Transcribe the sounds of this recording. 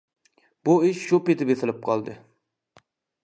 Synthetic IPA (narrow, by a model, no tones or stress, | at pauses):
b̥uɪʃʃupet̪ɪbesɪlɪp̚qʰɑlˠd̪ɨ